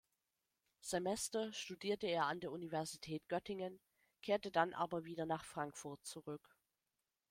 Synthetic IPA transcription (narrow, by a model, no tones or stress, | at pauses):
z̥emɛstɐʃtudiːɐtəeːɐandeːɐʔunivɛɐzitʰɛːtɡ̥œtɪŋən | kʰeːɐtədanʔa̰ːbɐviːdɐnaːχfʁ̥aŋkfʊɐt̚t͡suʁʏk